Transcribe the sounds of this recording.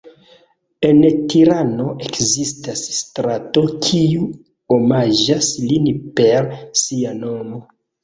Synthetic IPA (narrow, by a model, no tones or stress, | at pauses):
e̞ntiɾano̞ʔekzistasstɾato̞kʰiu | omad͡ʒaslinpeɾsiano̞mo̞